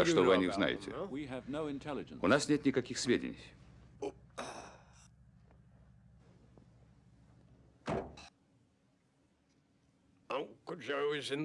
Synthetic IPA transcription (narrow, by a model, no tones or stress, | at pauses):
ɐʂt̪ovɨɐnʲixzna̰jɪ̰tʲɪ̰wiɨvnoʊɪ̃ntʰɛlˠɨd͡ʒə̰̃nʊnasnʲet̪nʲɪkɐkʲixsʲvʲedʲɪ̰nʲɪ̰j | akʊd͡ʒowizɪ̃n